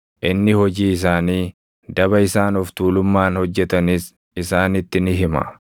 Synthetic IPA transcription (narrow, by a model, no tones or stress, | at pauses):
ʔɪnːɪhɔd͡ʒiːɪs̬aːniː | d̪ɐbɐɪsaːnɔft̪uːlʊmːaːnhɔd͡ʒːɛt̪ɐniːs | ɪsaːnɪt̪ːɪnɪɦɪmɐ̰